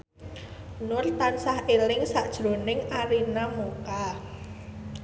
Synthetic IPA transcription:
nʊrt̪ansahelɪŋsaʔd̥ʒ̥ɾo̤nɪŋʔaɾinamuka

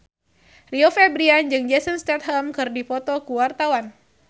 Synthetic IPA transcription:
riofɛbɾiand͡ʒɨŋd͡ʒɛsənst̪ɛt̪̚ɦɛlmkɨrdifɔt̪ɔkuwart̪awan

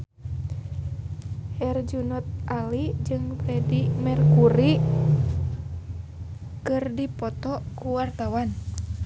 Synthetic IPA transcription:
hɛrd͡ʒunɔt̪̚ʔalid͡ʒɨŋpɾɛdimɛrkuɾi | kɨrdipɔt̪ɔkuwart̪awan

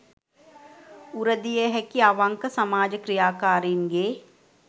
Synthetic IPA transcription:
uɾəd̪ijeɦɛkiaʋãŋkəsɐmaːd͡ʒəkɾijaːkaːɾiːnɡeː

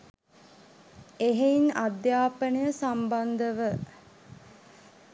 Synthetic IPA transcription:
eɦeinad̪jaːpənəjəsamband̪əʋə

